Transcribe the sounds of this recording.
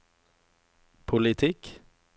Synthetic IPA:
pʰʊlɪt̪ʰɪk

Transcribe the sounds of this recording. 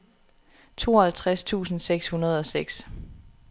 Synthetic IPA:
t͡sʰo̝̰ːɒhælt͡sʰʁast͡sʰṵːsn̩seɡ̥shunɐð̞ˠɒ̽seɡ̥s

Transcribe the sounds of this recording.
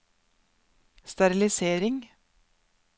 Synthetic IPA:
st̪ɑɾɪlɪseːɾɪŋ

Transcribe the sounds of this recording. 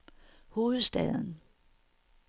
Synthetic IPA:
ho̝ːð̩ˠsd̥ɛ̰ð̞ˠn̩

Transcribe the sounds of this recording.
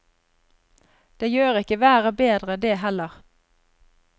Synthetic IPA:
d̪̥eːjøːʁɪkəʋæːʁəbeːd̪ʁəd̪eːɦɛləʁ

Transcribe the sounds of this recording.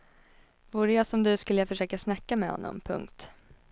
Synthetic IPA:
vuːɾəjasɔmd̪ɵskɵlːəjafœʂøːkasnakːamɛhɔ̰nːɔ̰mpʰɵ̰ŋkt̪

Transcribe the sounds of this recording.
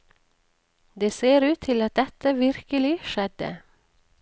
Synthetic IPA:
d̪eːseːɾʉːt̪ʰɪlɑt̪̚d̪ɛt̪əʋɪɾkəlɪʃɛd̪ə̰

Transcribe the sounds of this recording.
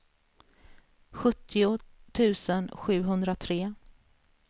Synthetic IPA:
ɧɵt̪ʰːɪʊt̪ʰʉ̟ːsənɧʉ̟ːɦɵnd̪ɾat̪ʰɾeː

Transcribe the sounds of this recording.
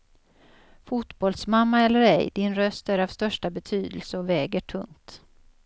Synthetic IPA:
fut̪bɔlsmamːaɛlːəɾɛ̰jd̪ɪnɾœst̪æɾavst̪œʂʈabɛt̪ʰyːd̪əlsəɔvɛːɡəʈʰɵŋt̪

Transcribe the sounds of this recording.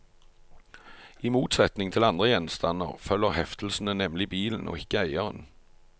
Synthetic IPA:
ɪmuːt̪sɛt̪nɪŋt̪ʰɪlɑnd̪ʁəjɛnst̪ɑnə̰ʁfœlːəʁhɛft̪l̩sn̩ənɛmlɪbiːln̩ʔo̰ːɪkəæɪəʁə̰n

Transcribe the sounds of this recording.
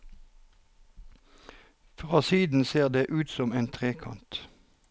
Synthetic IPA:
fʁɑːsiːd̪n̩seːʁd̪eːʔʉːt̪sɔmeːnt̪ʰʁeːkʰɑ̰nt̪

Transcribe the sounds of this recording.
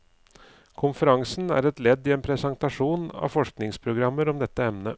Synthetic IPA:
kʰʊnfəɾɑŋsn̩æ̰ːɾɛt̪lɛd̪ːɪeːnpʰɾɛsɑnt̪ɑʂuːnɑ̰ʋfɔʂknɪŋspʰɾʊɡɾɑmːəɾɔmd̪ɛt̪ːəɛmnə

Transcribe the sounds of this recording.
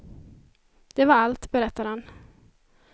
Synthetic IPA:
d̪̥ɛvaɾalt̪bɛɾɛt̪ːaɾhan

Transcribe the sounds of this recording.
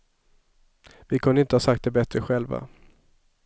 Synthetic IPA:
vɪkʰɵnəɪnt̪əhɑːsak̚t̪̚d̪ɛbɛt̪ɾəɧɛlva̰

